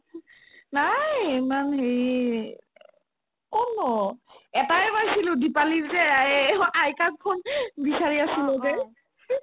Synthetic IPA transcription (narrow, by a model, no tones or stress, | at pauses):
najemanɦeɹi | kɔnɔɛtaɛbajsilʊdipaliɹzɛ | ajkak̚kʰɔnbisaɹiasilɔzɛ